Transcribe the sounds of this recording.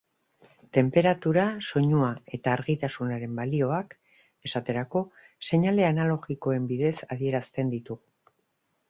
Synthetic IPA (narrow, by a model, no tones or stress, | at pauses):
t̪e̞mpe̞ɾat̪uɾaso̞ɲuae̞t̪aːɾɣit̪asunaɾe̞mbalio̞ak | e̞sat̪e̞ɾako̞ | se̞ɲale̞analo̞ɣiko̞e̞mbiðe̞saðie̞ɾast̪e̞nd̪it̪uɣu